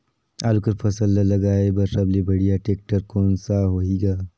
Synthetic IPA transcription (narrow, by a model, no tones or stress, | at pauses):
a̰ːlukɐɾpʰɐsəlːɐːɐɡaːebɐɾsɐblebɐɽ̤ijaʈeːk̚ʈəɾkoːnsaɦoːiːɡaː